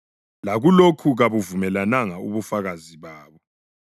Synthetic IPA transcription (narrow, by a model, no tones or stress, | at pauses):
laɣulokʰuɣaβuvumɛlanaŋauβufaɣaziβaːβɔ